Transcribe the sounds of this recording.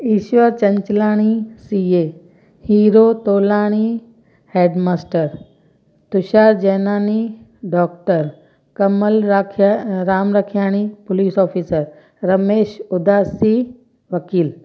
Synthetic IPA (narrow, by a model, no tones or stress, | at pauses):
iːʃʋəɾt͡ɕɐ̃ɲt͡ɕlaːɽ̃isieː | hiːɾoːt̪oːlaːɽ̃i | heːɖmaːsʈəɾ | t̪ʊʃaːɾd͡ʑeːnaːni | ɖɔːk̚ʈəɾ | kɐməlkʰɾaːmɾɐkʰjaːɽ̃ipʊliːsɔːfʰiːsəɾ | ɾɐmeːʃʊd̪aːsi | ʋɐkiːl